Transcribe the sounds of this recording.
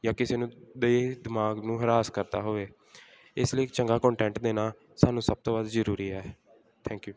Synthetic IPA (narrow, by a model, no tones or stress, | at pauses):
jaːkɪseːnũːd̪eːd̪ɪmaːɡnũːɦəɾaːskəɾt̪a̰ːɦoːʋeː | ɪsləiːkt͡ʃəŋɡaːkɔ̃ːɳʈɛ̃ːɳʈd̪eːnaː | saːnũːsəb̚t̪oːbaːd̪zəɾuːɾiːɛː | t̪ʰɛ̃ːŋkjuː